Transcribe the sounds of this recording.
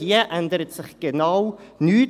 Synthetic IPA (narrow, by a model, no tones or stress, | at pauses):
iəʔɛndəɾətsɪχɡ̥ənawnyː